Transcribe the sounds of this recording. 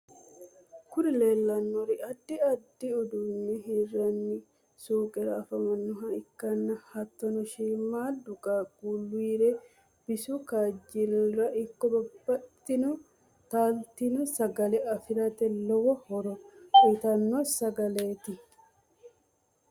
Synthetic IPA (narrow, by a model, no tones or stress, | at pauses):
kʊɾɪle̞ːlːɐnːɔɾɪʔɐd̪ːɪɐd̪ːɪɔd̪unːɛɦɪrɐnːɪ | suːkʼɛɾɐːfɐmɐnːʊɦɐɪkːɐnːɐhɐt̪ːɔnɔʃiːmːaːld̪ʊkʼaːɡʼuːlːʊiɾɛ | b̥ɪsukaːd͡ʒɪnɔɾɐʔɪkːɔbɐbːɐt̪ːɪnʊ | t̪aːlt̪ɪnɔsɐɡɐlɛʔɐfɪɾɐt̪ɛlɔwɔhɔɾɔkit̪ɐnːɔsɐɡɐleːt̪ɪ